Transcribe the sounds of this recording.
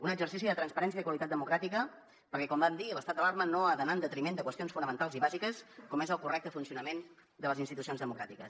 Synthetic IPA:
unəɡzəɾs̬is̬iðət̪ɾənspəɾɛns̬iəðkwalit̪at̪d̪əmukɾat̪ikə | pəɾkɛkɔmband̪iələst̪at̪d̪əlaɾmənoaðənand̪ət̪ɾimend̪əkwəst̪ionsfunəmənt̪alˠziβazikəskɔmezəlˠkurɛk̚t̪əfunsiunəmen | d̪ələzinst̪it̪usionzðəmukɾa̰t̪ikəs

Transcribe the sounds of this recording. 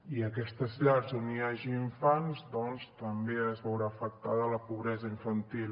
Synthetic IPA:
iəkɛst̪əzʎaɾzoniaʒiːɱfanzd̪ɔnst̪əmbeəzβɛwɾaːfək̚t̪aðələpuβɾɛzəiɱfənt̪il

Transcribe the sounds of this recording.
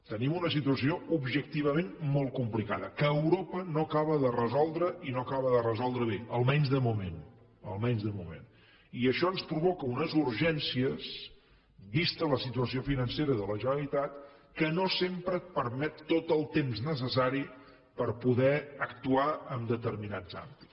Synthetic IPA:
t̪ənimunəs̬it̪uəsioubʒək̚t̪iβ̞əmenmol̚ˠkumplika̰ðəkəːwɾopənokaβəðərəzɔlˠd̪ɾəʔinokaβəðərəzɔlˠd̪ɾəβeəlˠmɛnzðəmumen | ə̰lˠmɛnzðəmumḛn | iəʃɔənspɾuβɔkəunəzuɾʒɛnsiəs | βist̪ələsit̪uəsiofinənseɾəðələʒənəlit̪at̪̚ | kənosempɾət̪̚pəɾmɛt̪ːot̪əlˠt̪emznəs̬əs̬aɾi | pəɾpuðɛəkt̪uaəmd̪ət̪əɾminaza̰mbit

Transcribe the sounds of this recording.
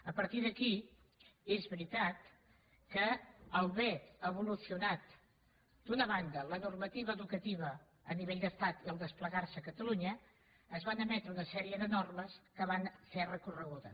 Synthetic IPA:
əpəɾt̪iðəki | ezβɾit̪at̪̚ | kəəlˠβɛəβulusiunat̪ | d̪unəβand̪ələnurmət̪iβəːðukət̪iβə | əniβeʎd̪əst̪at̪iəlˠd̪əspləɣarsəkət̪əluɲəː | zβanəmɛt̪ɾəunəsɛɾiəðənorməskəβanserəkurəɣ̞uðə

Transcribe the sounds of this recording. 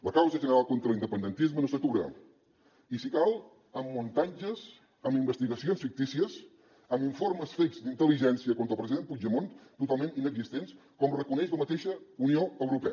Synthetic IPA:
ləkawzəʒənəɾalˠkont̪ɾəlind̪əpənd̪ənt̪izmənosət̪uɾə̰ | isikalˠ | əmːunt̪and͡ʒəs | əmimbəst̪iɣəsionsfik̚t̪isiəz | əmiɱforməsfezd̪int̪əliʒɛnsiəkont̪əlˠpɾəziðenpud͡ʒəmont̪ut̪alˠmẽnt̪inəɡzist̪enskɔmrəkunɛʃləmət̪eʃəunioəwɾupɛə

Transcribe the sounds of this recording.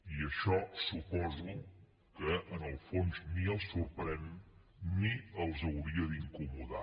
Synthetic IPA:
iəʃɔsupɔzu | kəʔːnəlˠfonzniəlˠsuɾpɾɛn | niəlˠzəwɾiəðiŋkumuða̰

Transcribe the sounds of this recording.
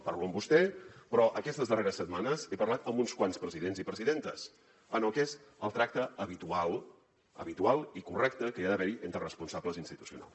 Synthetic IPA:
paɾluəmbust̪ɛpɾɔʔəkɛst̪əzðəreɾəsːət̪̚manəzepərlat̪əmbunskwanspɾəziðenzipɾəziðent̪ə̰z | ənəlˠkezəlˠt̪ɾak̚t̪əəβit̪ualˠ | ə̰βit̪ualˠikurɛkt̪əkəiaðəβɛɾiʔent̪ɾərəspunsabləzinst̪it̪usiuna̰lˠs

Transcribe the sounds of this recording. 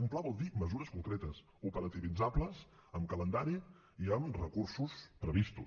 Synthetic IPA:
umplaβɔlˠd̪iməzuɾəskuŋkɾet̪əs | upəɾət̪iβid͡zabləzəmkələnd̪aɾi | iəmrəkursuspɾəβist̪ṵ

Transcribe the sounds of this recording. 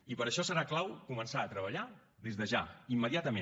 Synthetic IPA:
ipəɾəʃɔsəɾaklawkumənsaət̪ɾəβ̞əʎa | ðezðəʒa̰imːəðiat̪əmẽ

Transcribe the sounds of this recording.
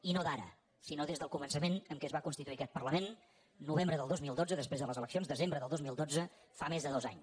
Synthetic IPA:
inoðaɾə̰ | sinoðezðəlˠkumənsəmenəmkɛəzβakunst̪it̪uiəkɛt̪̚pərləmenː | uβ̞embɾəðəlˠd̪ozmilˠd̪od͡zəðəspɾezðələzələksijonzðəzembɾəðəlˠd̪ozmilˠd̪od͡zə | famezðəðoza̰ɲ

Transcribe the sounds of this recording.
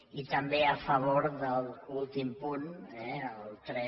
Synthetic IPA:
it̪əmbeəfəβ̞oɾðəlˠulˠt̪impunɛəlˠt̪ɾɛ

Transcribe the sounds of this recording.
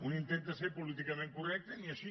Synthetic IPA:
unĩnt̪ẽnt̪aseɾpolit̪̬ikamẽŋkorɛk̚t̪eniaʃi

